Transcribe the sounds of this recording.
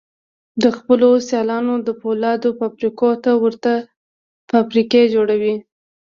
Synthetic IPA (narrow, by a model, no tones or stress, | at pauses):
d̪əxpəlosjɑlɑnod̪əpolɑd̪ofapɾikot̪awəɾt̪a | fapɾiked͡ʒoɽawi